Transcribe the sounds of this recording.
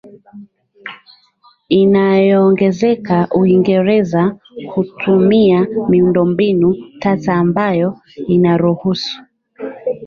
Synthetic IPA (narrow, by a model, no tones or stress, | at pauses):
inajɔːŋɡɛzɛkaʔuiŋɡɛɾɛza | hutʰumiamiundɔmbinutataːmbajɔ | inaɾuhusu̥